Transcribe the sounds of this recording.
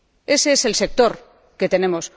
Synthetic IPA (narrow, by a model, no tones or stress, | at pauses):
e̞seese̞lse̞k̚t̪o̞ɾ | ke̞t̪e̞ne̞mo̞s